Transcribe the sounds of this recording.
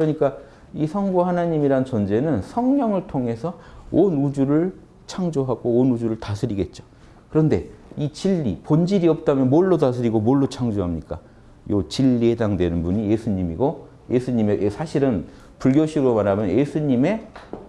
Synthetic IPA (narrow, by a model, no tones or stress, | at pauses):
kɯɾʌɲik͈a | isʰʌŋɡuhanaɲimiɾant͡ɕʌnd͡ʑe̞nɯnsʰʌŋɲʌŋɯɭtʰoŋe̞sʰʌonud͡ʑuɾɯɭ | t͡ɕʰaŋd͡ʑoɦaɡoːnud͡ʑuɾɯɭtasʰɯɾiɡe̞t̚t͡ɕ͈o̥ | kɯɾʌnde̞it͡ɕiʎːipond͡ʑiɾiʌp̚t͈amjʌnmʌɭːotasʰɯɾiɡomʌɭːot͡ɕʰaŋd͡ʑoɦamɲik͈a̰ | jot͡ɕiʎːie̞daŋdwe̞nɯnbuɲijesʰuɲimiɡo | je̞sʰuɲimeʔsʰaɕʰiɾɯn | puɭɡjoɕʰiɾomaɾamjʌnjesʰuɲime̞